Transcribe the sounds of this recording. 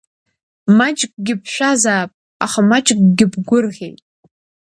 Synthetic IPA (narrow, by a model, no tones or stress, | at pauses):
mat͡ʃʼkʼɡʲɪpʰʃʷᶣazaːpʼ | a̰χamat͡ʃʼkʼɡʲɪbɡʷʊrʁʲḛjtʼ